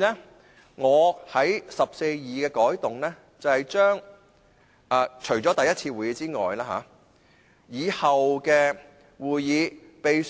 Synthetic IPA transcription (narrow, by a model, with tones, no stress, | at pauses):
ɛ˥ | ŋɔː˨˧hɐ˨˥jsɐ˨p̚se˧jjiː˨kɛː˧kɔː˨˥jt̪ʊ˨ŋlɛː˥ | t͡sɐ˨˧whɐ˨˧jt͡ʃœː˥ŋ | aː˧t͡ʃʰɵ˨˩ɥt͡sɔː˨˥t̪ɐ˨jːɐ˥t̚t͡sʰiː˧wuː˨˩jiː˨˧t͡siː˥ŋɔ̰ː˨jlaː˥ɦa̰ː˨˥ | jiː˨˧hɐ˨wkɛː˧ | wuː˨jjiː˨˧pe˨j